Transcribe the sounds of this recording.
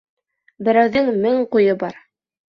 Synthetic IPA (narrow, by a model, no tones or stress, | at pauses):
bɘ̆ɾæwðɘŋmɘŋqujɤbɑɾ